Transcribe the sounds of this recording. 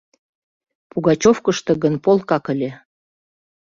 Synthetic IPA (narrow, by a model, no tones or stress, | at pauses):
puɣɑt͡ɕofkə̆ʃt̪ɤ̆ɣənpolkɑkə̆lʲĕ